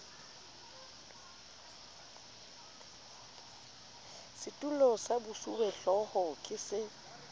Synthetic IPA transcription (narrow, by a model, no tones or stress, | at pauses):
sɪtʼulɔsabʊsuwɛɬɔhɔkʼɪsɪ